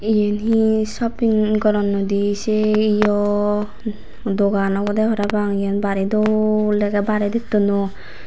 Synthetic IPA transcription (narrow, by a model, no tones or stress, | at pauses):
ijenɦisɔpiŋɡɔɾɔnːɔd̪iseijɔ | d̪ɔɡanɔkɔd̪aɦɔɾabaŋijanbaɾid̪ɔlɛɡɛbaɾɛd̪it̪ːɔnɔ